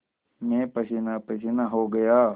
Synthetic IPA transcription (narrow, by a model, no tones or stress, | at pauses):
mɛ̃ːpɐsinapɐsɪnaɦoɡɐjaː